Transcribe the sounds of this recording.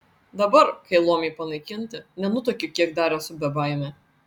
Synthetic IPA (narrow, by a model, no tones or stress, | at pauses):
d̪ɐbɐɾkɐɪlˠoɔmʲɛɪpɐnɐɪkʲɪnʲt̪ʲɪnʲɛnʊt̪oːkʲʊkʲiɛkd̪ɑːɾʲɛsʊbʲɛbɑːjmʲɛ